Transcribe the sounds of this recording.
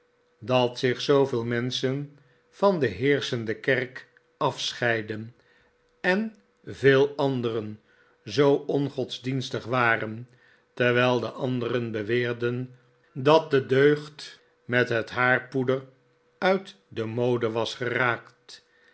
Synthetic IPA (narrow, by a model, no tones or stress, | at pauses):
dɑtsɪχsowvɪːlˠmɛnsən | v̥ɑndəɦɪːɹsəndəkɛrk | ɑfsχɛjdən | ɛn | veːlˠɑndərən | zowɔnχɔdzdinstəχʋaːrən | tɛɹʋɛlˠdəʔɑndərənbəʋɪːɹdən | dɑt̚dədøɥχt | mɛtɦətɦaːɹpudər | œɥt | dəmowdəʋɑsχəraːkt